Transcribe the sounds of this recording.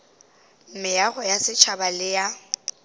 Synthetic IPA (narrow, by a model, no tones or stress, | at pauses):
m̩mɪjaɣʊjasɪt͡ʃʰabalɪja